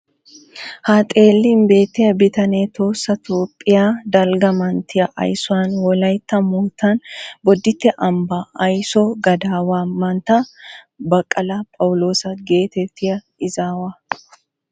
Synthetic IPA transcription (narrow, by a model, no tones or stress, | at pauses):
haːt̪ʼe̞ːlːɪmbe̞ːt̪ːɪjɐbɪt̪ɐneːt̪o̞ːsːɐt̪o̞ːpʼːɪjaːd̪ɐlɡɐmɐnt̪ʰɪjɐʔɐ̰jsʊwanwɔlɐjt̪ːɐmuːt̪ːɐnbɔd̪ːɪt̪ːɛʔɐmbɐɐjsɔɡɐd̪aːwaːmɐnt̪ɐ | bɐkʼːɐlɐpʼɐwlo̞ːsɐɡe̞ːt̪ɛt̪ːɪjɐ | ɪzaːwaː